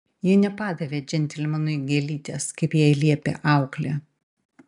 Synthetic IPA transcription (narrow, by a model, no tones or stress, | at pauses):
jɪːnʲɛpɑːd̪ɐʋʲeːd͡ʒʲɛnʲt̪ʲɪlʲmɐnʊɡʲɛlʲiːt̪ʲeskɐɪpjɛːɪlʲiɛpʲḛʔɑˑʊklʲɛ